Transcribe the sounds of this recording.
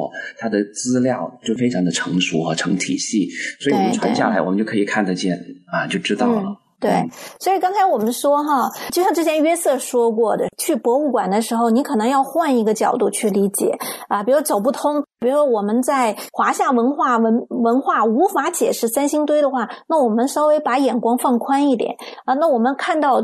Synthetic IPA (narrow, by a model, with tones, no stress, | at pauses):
t̪ʰa˥d̪ə˨t͡sɹ̩˥ljɑ˥˩ʊt͡ɕjo˥˩ʊfe˥ɪʈ͡ʂʰɑ˧˥ŋd̪ə˧ʈ͡ʂʰɤ˧˥ŋʂṵ˧˥xɤ˧˥ʈ͡ʂʰɤ̰˧˥ŋt̪ʰḭ˨˩ɕi˥˩swɔ˧˥i˨˥˩ʈ͡ʂʰwa̰˧˥ɕja˥˩la˧˥ɪwɔ˨˩mə˦t͡ɕjo˥˩ʊkʰɤ˧˥i˨˩kʰa˥˩nd̪ə˧t͡ɕjɛ˥˩nɐ˧t͡ɕjo˥˩ʊʈ͡ʂɻ̩˥t̪ɑ˥˩ʊ˩lə̰˩ | t̪we˥˩ɪ˥swɔ˧˥i˨˩kɑ˥ŋt͡sʰa˥ɪwɔ˨˩mə˦nʂwɔ˥xɐ˥˧t͡ɕo˥˧ʊɕjɑ˥˧ʈ͡ʂɤ˥˩jɛ˥nɥɛ˥sɤ˥˩ʂwɔ˥kwɔ˥˩d̪ə̰˩t͡ɕʰy˥˩pwɔ˧˥u˥˩kwa̰˨˩nd̪ə˦ʂɻ̩˧˥xo˧ʊni˧˥kʰɤ˨˩nɤ˧˥ŋjɑ˥˧ʊxwa˥˩ni˧˥ɡə˧t͡ɕjɑ̰˨˩ʊt̪u˥˧t͡ɕʰy˥˩li˧˥t͡ɕjɛ̰˨˩˦ə˧pi˨˩ɻʂt͡so˨˩ʊp̬u˥˩t̪ʰʊ˥ŋpi˨˩ɻu˥ʂwɔ˥wɔ˨˩mə˦nt͡sa˥˩ɪxwa˧˥ɕja˥˩wə˧˥nxwa˥˩wə˧˥nwə˧˥nxwa˥˩u˧˥fa˧˥t͡ɕjɛ˨˩ʂɻ̩˥˩sa˥nɕi˥ŋt̪we˥ɪd̪ə˨xwa˥˩na˥˩wɔ˨˩mə˦nʂo˥ʊwe˧˥ɪpa˧˥jɛ˨˩nkwɑ˥ŋfɑ˥˩ŋkʰwa˥ni˥˩t̪jɛ̰˨˩˦nə˧na˥˩wɔ˨˩mə˦nkʰa˥˧nt̪ɑ˥˩ʊ